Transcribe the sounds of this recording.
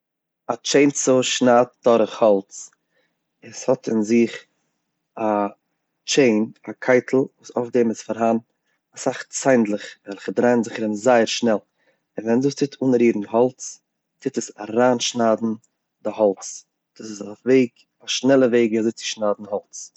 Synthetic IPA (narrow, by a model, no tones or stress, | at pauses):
at͡ʃeɪnt͡sʊʃnaːt̚d̥ɔɾəχhɔlˠt͡s | ɪshɔtʰɪnzɪχ | a | t͡ʃeɪnakʰaɪtʰl̩ˠvuːsofdemɪsfaɾɦan | asaχt͡saɪndlˠɪχvɛlˠχədɾaɪnzɪχɾɪnzaɪəɾʃnɛlˠ | ɪnvɛnduːstʰɪtʰunəɾiːɾn̩ɦɔlˠt͡s | tʰɪtəsaɾaːnʃnaːdn̩ | dɪɦɔlˠt͡s | d̥uːsɪsafveɪɡ | aʃnɛlˠəveɪɡazɪt͡sɪ̥ʃnaːdn̩hɔlˠt͡s